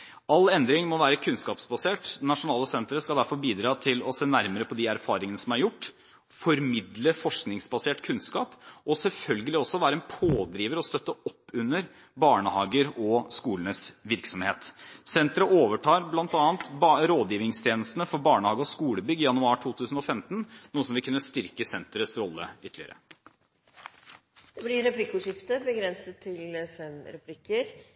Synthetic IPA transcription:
ɑlːɛnd̪ɾɪŋmɔʋæːɾəkʰʉnskɑːpsbɑseːʈnɑʂʊnɑːləsɛnt̪ɾəskɑd̪æɾfɔɾbiːd̪ɾɑːt̪ʰɪlɔseːnæɾməɾəpʰɔd̪ɪæɾfɑːɾɪŋənəsɔmæɾjʊʈː | fɔɾmɪd̪ləfɔʂknɪŋsbɑseːʈkʰʉnskɑːpɔsɛlfœlɡəlɪɔsːɔʋæːɾəɛnpʰoːd̪ɾiːʋəɾɔst̪œt̪ːəɔpːʉnːəɾ | bɑːɳəhɑːɡəɾɔskuːlənəsʋɪɾksɔmheːt̪sɛnt̪əɾəʔoːʋəʈʰɑːɾblɑnt̪ɑːnt̪bɾoːd̪jiːʋɪŋst̪ʰjeːnəst̪ənəfɔɾbɑːɳəhɑːɡəɔskuːləbʏɡːɪjɑnʉɑːʈʰuːt̪ʰʉːsn̩ɔfɛmt̪nnuːəsɔmʋɪlkʉnːəst̪ʏɾkəsɛnt̪əɾət̪sɾɔlːə̰ʏt̪ʰlɪə̰ɾə̰ | d̪̥ɛblɪɾɛpʰlɪkːʊʂɪft̪əbəɡɾɛnsət̪ʰːɪlfɛmɾɛpʰlɪkːəɾ

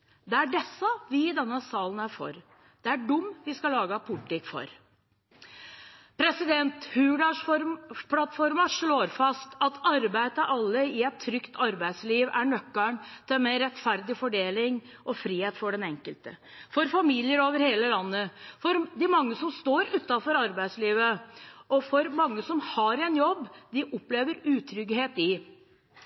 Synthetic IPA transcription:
d̪ɛæɖɛsːəʋɪɪd̪ɛnːəsɑːlənæɾfɔ̰ɾ | d̪̥ɛæɖʊmːʋɪskɑlɑːɡəpʰʊʈːɪkfɔ̰ɾ | pʰɾɛsɪd̪ɛnt̪hʉːɖɑʂfɔɾpʰlɑt̪fɔɾmɑʂɭoːɾfɑst̪ɑt̪ʰɑɾbæɪt̪əʔɑlːəɪɛt̪ʰːɾʏkt̪ʰɑɾbæɪd̪sliːʋæɳœkːəɳt̪ʰɪlmɛɾɛt̪fæɾd̪ɪfɔɖeːlɪŋ | ʔɔfɾiːheːt̪fɔɖɛnɛŋkəlt̪ə | fɔɾfɑmilɪəɾoːʋəɾheːləlɑnːəfɔɾd̪ɪmɑŋːəsɔmst̪oːɾʉt̪ːɑfɔɾɑɾbæɪsliːʋəʔɔfɔɾmɑŋːəsɔmhɑɾɛnjɔbːd̪ɪʔɔpleːʋəɾʉːt̪ʰɾʏɡheːt̪ɪ

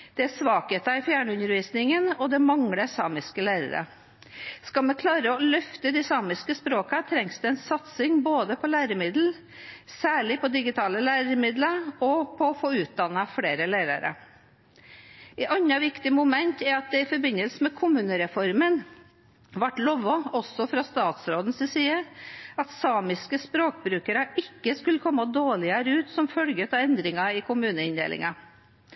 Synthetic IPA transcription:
d̪̥ɛæsʋɑːkət̪ɑɪfjæːɳəʉnəɾʋiːsnɪŋənɔd̪ɛmɑŋɽəsɑːmɪskəlæːɾə̰ɾə̰ | skɑlmɛkʰlɑːɾəɔlœft̪əd̪ɪsɑːmɪskəspɾoːkɑt̪ʰɾɛŋsd̪ɛɛnsɑt̪sɪŋboːd̪əpʰɔlæːɾəmɪd̪l̩ | sæːɭɪpʰɔd̪ɪɡɪt̪ʰɑːləlæːɾəmɪd̪ləɔpʰɔfoːʉːt̪̚d̪ɑnɑfɽeːɾəlæːɾɑ̰ɾə̰ | ɛʔɑɲːɑʋɪkt̪ɪəmʊmɛnt̪ɛɾɑt̪̚d̪ɛɪfɔɾbɪnːəlsəmɛkʰʊmʉːnəɾɛfɔɾmən | ʋɑʈlɔʋɔɔsɔfɾɑːst̪ɑːt̪sɾoːd̪n̩sɪsiːəɑt̪sɑːmɪskəspɾoːkbɾʉːkəɾəʔɪkːəskʉləkʰɔmːəd̪oːɭɪəɾəʉːt̪sɔmfœlɡət̪ʰɑɛnd̪ɾɪŋɑɪkʰʊmʉːnəɪnd̪ḛːlʔɪ̰ŋɑ

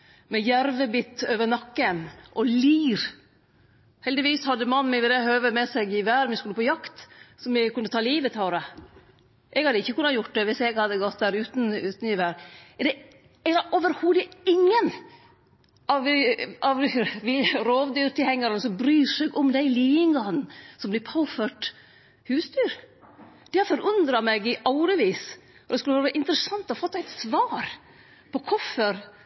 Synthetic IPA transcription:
mɛjæɾʋəbɪt̪ːøːʋəɳɑkːənʔɔliːɾ | hɛld̪ɪʋiːshɑd̪ːəmɑnːmɪʋɪd̪ɛɦøːʋəmɛsɛɡɪʋæːɾmɪskʉlːəpʰɔjɑkt̪sɔmɪkʰʉnːət̪ʰɑːliːʋət̪ʰɑːɾə | ʔɛɡhɑd̪əɪçːəkʉnːɑjʊʈ̚ːd̪ɛʋɪsɛɡhɑd̪ːəɡɔt̪̚d̪æːɾʉːt̪n̩ʉːt̪n̩ɪʋæːɾd̪ɛ | ɛd̪ɛʔoːʋəɾhuːd̪əɪŋːən | ʔɑʋɑʋʋiɾoːʋd̪yːɾt̪ɪlhɛŋːɑɾənəsɔbɾyːʂɛɡɔmd̪æɪliːɪŋɡɑnn̩sɔmblɪpʰɑʊføʈ | hʉːst̪yːɾ | d̪̥ɛhfɔɾʉnd̪ɾɑmɛɡɪʔɑʊɾəʋiːs | ɔd̪ɛskʉləʋɑːɾːɾʔɪnt̪əɾəsɑnt̪ɔfɔt̪ːæɪt̪sʋɑːɾ | pʰɔkʰɔfəɾ

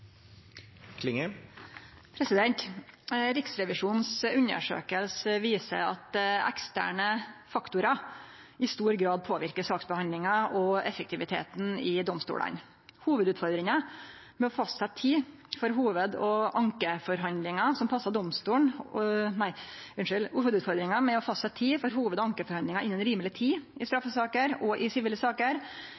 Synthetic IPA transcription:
kʰlɪŋə | pʰɾɛsɪd̪ɛnt̪ | ɾɪksɾɛʋɪʂuːnsʉnːə̰ʂø̰ːkəlsəʋiːsə̰ɑ̰t̪ɛ̰kst̪æ̰ːɳəfɑkt̪ʊɾɑ | ɪst̪uːɾɡɾɑːd̪̚pʰoːʋɪɾkəsɑːksbəhɑnd̪lɪŋɑʔɔɛfək̚t̪ɪʋɪt̪ʰḛːt̪n̩ɪd̪ɔmst̪ṵːɽɑ̰n | huːʋəd̪ʉːt̪fɔɾd̪ɾɪŋɑ | mɛɔfɑst̪sɛt̪ʰːiː | fɔɾɦuːʋəd̪ɔʔɑŋkəfɔɾɦɑnd̪lɪŋɑsɔmpʰɑsːɑd̪ɔmst̪uːɳnæɪʉnʂʉlhuːʋəd̪ʉːt̪fɔɾd̪ɾɪŋɑmɛɔfɑst̪sɛt̪ʰiːfɔɾɦuːʋəd̪ɔɑŋkəfɔɾɑnd̪lɪŋɑʔɪnːənɾiːməlɪt̪ʰiːɪst̪ɾɑfːəsɑːkəɾɔʔɪsɪʋiːləsɑːkəɾ

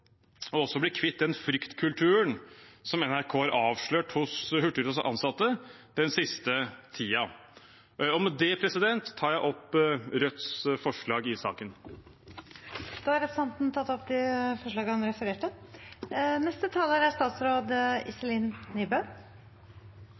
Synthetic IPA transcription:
ɔɔsːɔblɪkʰʋɪt̪̚d̪ɛnfɾʏkt̪kʰʉlt̪ʰʉːənsɔmɛnæɾkʰoːɑɾʔɑːʋʂɭøːʈhʊshʉʈːəɾt̪əsʔɑ̰nsɑt̪ːə | d̪̥ɛnsɪst̪ət̪ʰiːɑ | ɔmɛd̪ɛpʰɾɛsɪd̪ɛnt̪ʰːɑːɾjæɪʔɔpɾœt̪sfɔʂɭɑːɡɪsɑ̰ːkən | d̪̥ɑːɑɾɛfəsɑnt̪n̩t̪ʰɑt̪ːɔpd̪ɛfɔʂɭɑːɡəhɑnɾɛfəɾeːʈə | nɛst̪ət̪ʰɑːləɾæʂt̪ɑːt̪sɾoːd̪ɪ̰səliːnniːbə

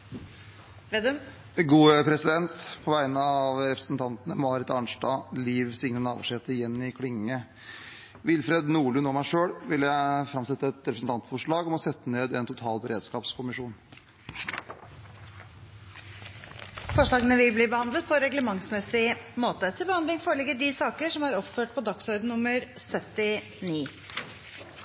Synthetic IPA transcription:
ed̪ | ɡuːəpʰɾɛsɪd̪ɛnt̪pʰɔʋæɪnəɑɑʋɾɛpɾəsn̩t̪ʰɑnt̪ənəmɑːɾɪt̪ɑɳʂdɑːliːʋsɪŋnənɑ̰ːʋ̰ʂeːt̪əjɛnːɪkʰɽɪŋːə | ʋɪlfɾed̪nuːɭʉnoːmæɪʂøːɽʋɪljæɪfɾɑmsɛt̪ːəɛt̪ɾɛpɾsn̩t̪ɑnt̪fɔʂɭɑːɡɔmɔsɛt̪ːəneːd̪ɛnt̪ʰʊt̪ʰɑːlbəɾeːd̪skɑːpskʰʊmɪʂuːn | fɔʂɭɑːɡənəʋɪlbliːbəhɑnd̪lət̪̚pʰɔɾɛɡləmɑŋsmɛsɪmoːt̪ət̪ʰɪlbəhɑnd̪ɪŋfoːɾəɭɪɡəɖisɑːkəʂɔmæːɾɔpføːʈ̚pʰɔd̪ɑksɔɾd̪n̩nʊməɾ | sœt̪ɪ | niː

